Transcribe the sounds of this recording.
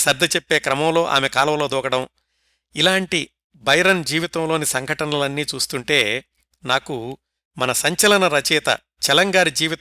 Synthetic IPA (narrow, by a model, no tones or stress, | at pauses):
sɐɾd̪ʱɐt͡ʃepːeːkɾɐmɐmlo̞ːʔa̰ːmekaːlɐʋɐlo̞ːd̪ɔːɡɐɽɐm | ilaːɳʈi | bʱɐjɐɾɐnd͡ʒiːʋit̪ɐmlo̞ːnisɐŋɡʱɐʈɐnɐlɐnːiːt͡ʃuːst̪uɳʈe̞ː | naːku | mɐnɐsɐɲt͡ʃɐlɐnɐɾɐt͡ʃɛːt̪ɐ̰ | t͡ʃɛlɐŋɡaːɾid͡ʒiːʋit̪